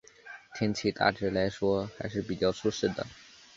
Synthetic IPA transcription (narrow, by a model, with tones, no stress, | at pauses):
t̪ʰjɛ˥nt͡ɕʰi˥˩t̪a̰˥˩ʈ͡ʂɻ̩˥˩la˧˥ɪʂwɔ˥xa˧˥ɪʂɻ̩˥˩pi˨˩t͡ɕjɑ˥˩ʊʂu˥˧ʂɻ̩˥˩d̪ə̰˩